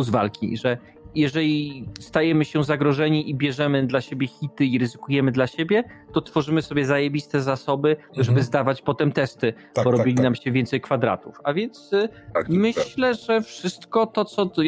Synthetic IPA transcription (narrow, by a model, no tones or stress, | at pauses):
zva̰lkʲḭʐɛ | jɛʐɛlʲist̪ajɛmɘɕɛzaɡɾɔʐɛɲiʔibʲjɛʐɛmɘd̪laɕebʲjɛxʲit̪ɘiɾɘzɘkujɛmɘd̪laɕebʲjɛt̪ɔt̪fɔʐɘmɘsɔbʲjɛzajɛbʲist̪ɛzasɔbɘʐɛbɘzd̪avat͡ɕpɔt̪ɛmt̪ɛst̪ɘ | bɔɾɔbilʲinamɕɛvʲɛnt̪sɛjkfad̪ɾa̰t̪ufavʲjɛnt̪smɘɕlɛʐɛfʂɘst̪kɔt̪ɔt̪sɔ